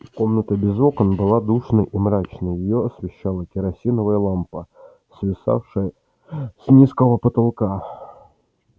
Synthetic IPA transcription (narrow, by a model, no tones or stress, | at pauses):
ko̞mnət̪əbʲɪzo̞kənbɨlˠad̪uʂnəjʔimɾat͡ɕnəjjɪjoɐsvʲɪɕːalˠəkʲɪɾɐsʲinəvəjəlˠampə | svʲɪsa̰fʂɨjə | snʲiskəvəpət̪alˠka